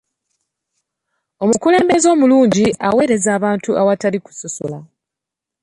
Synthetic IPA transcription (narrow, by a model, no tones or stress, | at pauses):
o̞mukule̞ːmbe̞zo̞ːmuluːɲɟiawe̞ːɾe̞zaːβaːntuʔawataliku̥sosola